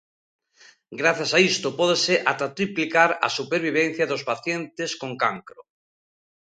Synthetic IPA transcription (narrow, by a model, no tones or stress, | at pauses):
ɡɾaθjasaist̪opɔðeseʔat̪at̪ɾiplikaɾa̰supeɾβ̞iβ̞ẽn̟θjaðospaθjẽnt̪eskoŋkaŋkɾo